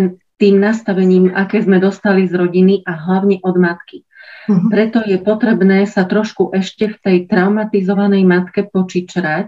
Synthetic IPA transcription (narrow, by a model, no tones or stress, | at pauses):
nt̪iːmnast̪aʋɛɲiːma̰kɛːzmɛd̪ɔst̪alizɾɔɟiniʔaɦlaʊɲɛʔɔd̪mat̪ki | pɾɛt̪ɔjɛpɔt̪ɾɛbnɛːsat̪ɾɔʃkuʔɛʃcɛft̪ɛjt̪ɾaʊmat̪izɔʋanɛjmat̪kɛpɔt͡ʃit͡ʃɾac